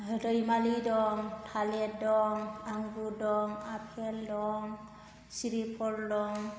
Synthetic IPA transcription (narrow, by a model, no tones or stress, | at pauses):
ɦɯdəjmalidɔŋtʰalet̚dɔŋaŋɡudɔŋapʰeldɔŋ | siɾipʰɔɾdɔŋ